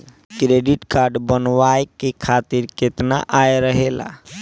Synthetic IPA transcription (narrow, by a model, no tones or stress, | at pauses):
kɾeɖiʈkaɾɖbənʋajkekʰat̪iɾket̪na̰ʔajɾəɦela̰